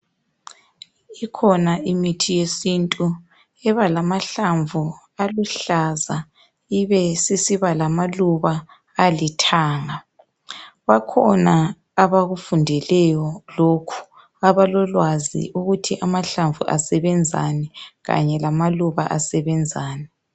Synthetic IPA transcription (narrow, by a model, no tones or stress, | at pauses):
ikʰɔnaimitʰijesintʼu | ɛβalamaɬaɱvʱu | aluɬaza | iβɛsisiβalamaluβaː | litʰaːŋa | βakʰɔnaː | βaɣufundʱɛlɛjɔlokʰu̥ | aβalɔlwazḭʔuɣutʰiʔamaɬaɱvṵʔa̰sɛβɛnd͡zʱa̰nɛɣa̰ɲɛlamaluβa̰ʔasɛβɛnd͡zʱaːnɛ